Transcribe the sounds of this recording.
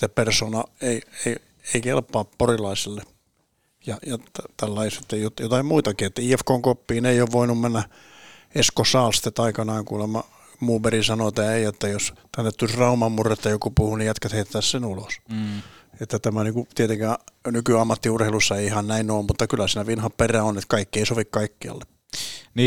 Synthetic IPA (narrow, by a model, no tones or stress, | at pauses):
t̪epersoːnɑeiei | eikelpːˑɑːpporilɑiselːe | jɑjɑt̪æt̪ælːɑiset̪ːejot̪jot̪ɑimmuit̪ɑkiet̪ːæiːefkoŋkopːiːneioːʋʋoinummenːæ | eskosɑːlst̪ːet̪ːɑikɑnɑːŋkuːlemːɑ | muːberisɑnot̪ːæːeiet̪ːæjost̪ænːet̪t̪usrɑumɑmmurːet̪ːæjokupuhunijæt̪kæt̪heit̪t̪æssenulos | et̪ːæt̪æmæniːŋkut̪iet̪eŋkænykyɑmːɑt̪ːiurhelusːɑeiihɑnnæinoːmmut̪ːɑkylːæsiːnæʋinhɑpperæonet̪kɑikːieisoʋikkɑikːiɑ̰lːe | niː